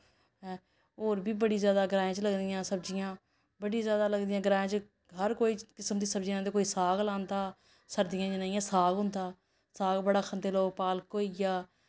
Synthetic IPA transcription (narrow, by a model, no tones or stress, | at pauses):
ɦɛ̃ː | oːɾbiːbəɽiːzjaːd̪aːɡɾãːãːt͡ʃləɡd̪ɪjãːsəbd͡ʒɪjãː | bəɽiːzjaːd̪aːləɡd̪ɪjãːɡɾaːãːt͡ʃ | ɦəɾkoːiːkɪsəmd̪iːsəbd͡ʒɪjãːd̪eːkoːiːsaːɡlãːnd̪aː | səɾd̪ɪjãːt͡ʃnaːiːãːsaːɡɦʊ̃nd̪aː | saːɡbəɽaːkʰənd̪eːloːɡ̚paːlkoːiːjaː